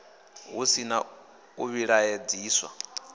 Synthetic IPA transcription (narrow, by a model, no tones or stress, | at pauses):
ɦusina | uβiɺajed͡ziːswa̰